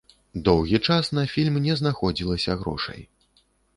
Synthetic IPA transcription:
d̪ɔwɣʲit͡ʂasnɐfʲilʲmnʲɛznaxɔd͡zʲilˠɐsʲɐɣɾɔ̰ʂɐ̰j

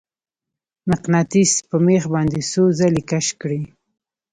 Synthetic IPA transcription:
naqnat̪ispəmexbɑnd̪esozalikaʃkɽi

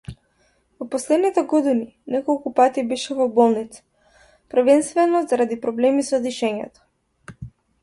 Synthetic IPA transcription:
vɔpɔslɛd̪nit̪ɛɡɔd̪ini | nɛkɔlˠkupat̪ibɛʃɛvɔbɔlˠnit̪si̥ | pɾr̩vɛnst̪vɛnɔzaɾad̪ipɾɔblɛmisɔd̪iʃɛɲɛ̰t̪ɔ̥

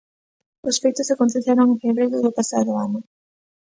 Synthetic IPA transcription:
ʊsfejt̪ʊsakont̪eθaɾoŋfeβɾejɾʊðʊpasaðʊanʊ

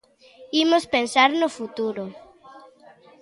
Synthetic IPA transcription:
imospensaɾnʊfut̪uɾʊ

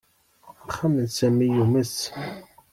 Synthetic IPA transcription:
χamənsæmijuməs

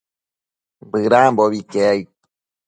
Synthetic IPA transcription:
mbɨɾamboβikeaj

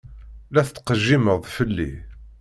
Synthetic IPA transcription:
læθət̪ːqəʒːiməðˤfəlːḭ

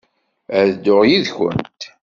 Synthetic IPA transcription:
æðd̪ʊʁjiðçə̰nt̪

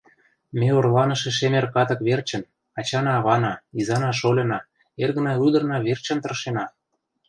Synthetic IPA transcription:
meorlɑnɤ̆ʃĕʃ̬emerkɑt̪ɤ̆kβert͡ɕə̆n | ɑt͡ɕɑnɑːβɑnɑizɑnɑʃ̬olʲɤ̆nɑ | erɣə̆nɑyd̪ɤ̆rnɑβert͡ɕə̆nt̪ɤ̆rʃenɑ

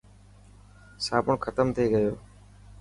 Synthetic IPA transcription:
saːpʊɳkʰət̪əmt̪ʰeːɡəjoː

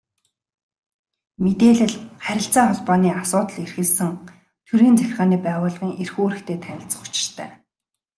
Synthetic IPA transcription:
met̪eːɮɘ̆ɮχæɾʲɪ̆ɬt͡saːχɔɮpɔːniːasʊːt̪ə̆ɮerxɘ̆ɮsɘ̆ŋ | t̪ʰuɾiːnt͡sæxʲɪ̆rʁaːniːpæːʁʊːɮʁiːŋʔerxoːɾɘ̆kt̪ʰeːt̪ʰænʲɪ̆ɬt͡sə̆χʊ̥t͡ɕɪ̥̆r̥t̪ʰæ̰ː

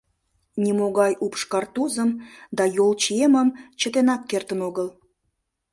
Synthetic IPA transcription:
nʲimoɣɑjʔupʃkɑrt̪uzəmd̪ɑjolt͡ɕieməmt͡ɕət̪enɑkːert̪ənoɣəl

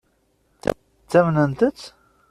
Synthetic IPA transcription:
t͡sːæmnənt̪ət͡sː

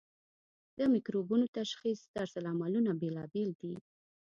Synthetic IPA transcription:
d̪̥əmikɾobunot̪aʃxisd̪aɾsalɑmalunabelɑbeld̪i

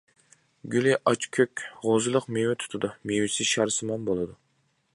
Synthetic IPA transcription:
ɡʲylɪʔɑt͡ʃkʲʰøkʲʁozɨlˠəqmewɪt̪ʰu̥t̪ʰd̪umiwɪsɪʃɑɾsɨmɑnbolˠɨd̪u

